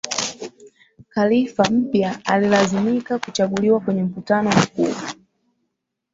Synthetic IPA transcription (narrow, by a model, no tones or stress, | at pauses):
kalifam̩pjaalilazimikakut͡ʃaɠuliwakwɛɲɛm̩vutanɔakṵa